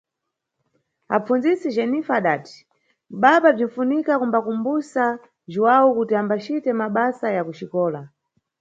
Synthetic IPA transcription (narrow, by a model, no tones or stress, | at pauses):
a̰p͡fund͡zisid͡ʒɛnifaɗaːti̥ | ɓaɓab͡ʐiɱfunikakumbakumbusa | ʒiwawukutiambat͡ʃitɛmaɓasajakuʃikɔːla